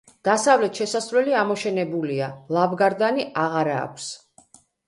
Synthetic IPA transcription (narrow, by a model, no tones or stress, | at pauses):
d̪̥asavlɛt̪ʃɛsasvɾɛliamɔʃɛnɛbulialˠavɡaɾd̪aniʔaʁaɾa̰ːkʷʰs